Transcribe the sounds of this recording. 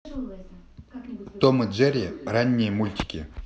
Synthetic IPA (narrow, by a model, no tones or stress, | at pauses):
t̪omɨd͡ʒeɾʲɪranʲːɪjəmulʲtʲɪ̥kʲɪ